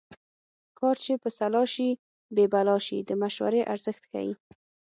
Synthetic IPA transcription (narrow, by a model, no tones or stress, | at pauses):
kɑɾt͡ʃepəsalɑʃi | bebalɑʃid̪əmaʃwa̰ɾeʔaɾzəxt̪ka̰wḭ